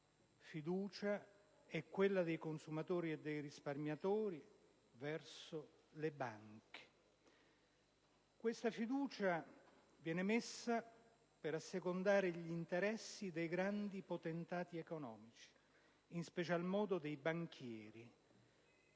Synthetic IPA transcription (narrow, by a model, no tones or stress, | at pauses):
fid̪uːt͡ʃa | ɛkːwelːad̪ejkonsumat̪oːɾied̪ːejɾisparmjat̪oːɾi | vɛrso | lebaŋke̥ | kwest̪afid̪uːt͡ʃa | vjɛːnemesːa | peɾasːekond̪aːɾeʎint̪eɾɛsːid̪ejɡɾand̪ipot̪ent̪aːt̪iekonɔːmit͡ʃi̥ | inspet͡ʃalmɔːd̪od̪ejbaŋk̟ʰjɛːɾi